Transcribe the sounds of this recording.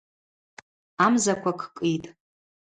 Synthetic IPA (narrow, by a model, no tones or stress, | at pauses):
amzakʷʰakʰkʼitʼ